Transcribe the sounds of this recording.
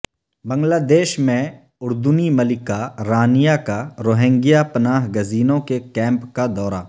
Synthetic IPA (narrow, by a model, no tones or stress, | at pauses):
bɐ̃ŋɡlaːd̪eːʃmẽ | ʊɾd̪ʊnimɐlɪkaɾaːnɪjakaɾoːɦẽŋɡijapɐnaːɦɡɐziːnõkekɛ̃ːmpkad̪ɔːɾa